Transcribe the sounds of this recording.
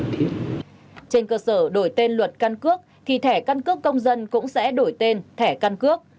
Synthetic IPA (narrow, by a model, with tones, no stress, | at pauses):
t̪ʰi˦˥ət̚ | t͡ɕe˧nkəː˧səː˧˩ɗo˧˩jt̪e˧nlwə˨˩t̚ka˧nkɨ˦˥ək̚t̪ʰi˨˩t̪ʰɛ˧˩ka˧nkɨ˦˥əkːə˧wŋ͡mzə˧nkʊ̰˧˥ŋ͡msɛ̰˧˥ɗo˧˩jt̪e˧nt̪ʰɛ˧˩ka˧nkɨ˦˥ək̚